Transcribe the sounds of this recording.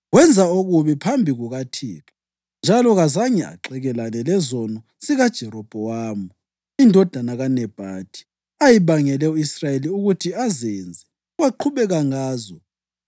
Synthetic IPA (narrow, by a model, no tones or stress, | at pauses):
ɣwɛnd͡zʱaoɣuβipʰambʱiɣuɣatʰiːkḁ | nd͡ʒʱalɔɣazaɲɛa̰ǁɛɣɛlanɛlɛzɔnɔ | siɣad̥ʒ̥ʱɛɾɔb̥ʱɔwaːmu | indʱɔd̥ʱanaɣanɛb̥ʱad̥ʰʱi̥ | ajiβaŋɛlɛuisrajeliuɣutʰiazɛnd͡zʱɛ | waǃʰuβɛɣaŋaːzɔ